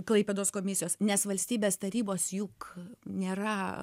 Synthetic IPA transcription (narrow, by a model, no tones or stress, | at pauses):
klˠɐɪpʲeːd̪oːskoːmʲɪsʲɪjoːsnʲɛsʋɐlʲsʲt̪ʲiːbʲeːst̪ɐɾʲiːboːsjʊknʲeːrɐ